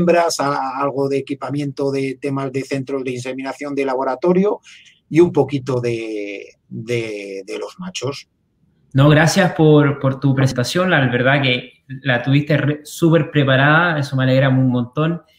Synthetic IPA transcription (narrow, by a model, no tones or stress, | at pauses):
mbɾasaalɣ̞o̞ðeːkipamjẽ̞nt̪o̞ðe̞t̪e̞mazðe̞θe̞nt̪ɾo̞zðeinse̞minaθjo̞nd̪e̞laβo̞ɾat̪o̞ɾjo | iumpo̞kit̪o̞ðe̞ | d̪e̞ðe̞lo̞zmat͡ʃo̞s | noɣɾasjaspo̞ɾpoɾt̪upɾes̬ent̪asjo̞nlaβeɾðake | lat̪uβist̪eresupe̞ɾpɾe̞paɾaðaeso̞mealeɣɾamunmõnt̪o̞n